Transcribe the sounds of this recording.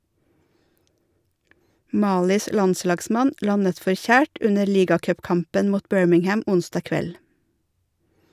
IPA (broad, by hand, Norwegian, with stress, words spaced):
ˈmɑːlɪs ˈlɑnˌslɑːɡsmɑn ˈlɑnət fɔɾˈçæːʈ ˈʉnəɾ ˈliːɡɑkœpˌkɑmpən ˈmuːt ˈbœɹmɪŋˌhæm ˈʊnsdɑː ˈkʋɛl